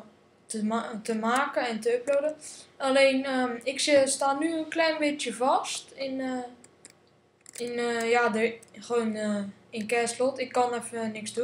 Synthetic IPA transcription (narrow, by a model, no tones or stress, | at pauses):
tətəmaːkəɛntəøplodəʔaleːnəɪksəstaːnyənklɛjnbɪtjəvɔstɪn | ɪnəjadəxəʋoːn | ɪnkɛːslɔtɪkːɔnɛfnɪksdu